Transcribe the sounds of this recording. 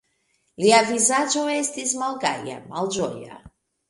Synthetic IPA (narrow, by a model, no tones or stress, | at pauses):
iavizad͡ʒoɛst̪izmalˠɡaja̰malˠd͡ʒɔja̰